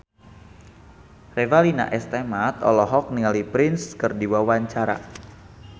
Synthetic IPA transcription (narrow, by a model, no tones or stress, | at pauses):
rɛvalina̰ʔɛst̪ɛmat̪ɔ̰lɔɦɔk̚niŋalipɾɪnskərdiwawaɲt͡ʃaɾa̰